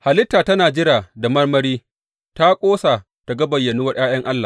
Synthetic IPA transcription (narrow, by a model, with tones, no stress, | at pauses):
ha˨lɪ˦tːaː˨tɐ˦naː˨d͡ʒɪ˦ɾaː˨da˨mɐ˦rmɐ˦ɾiː˦ | ta˦kʷʼoː˦sa˨ | ta˨ɡɐ˦bɐ˨jːɐ˨nu˦wɐ˦rj̰aː˦j̰ɐ˦ŋʔa˦lːaː˨